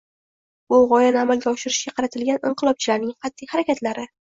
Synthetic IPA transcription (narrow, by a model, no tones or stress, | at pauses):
bʊʁɒjanɪamalɡʲaɒʃɪɾɪʃɡʲaqʰɑɾat̪ʰɪlɡʲanɪɴqʰɨlˠɒp̚t͡ʃʰɪlaɾnɪŋqʰɑt̪ʰːɪkʲhaɾakʲat̪laɾɪ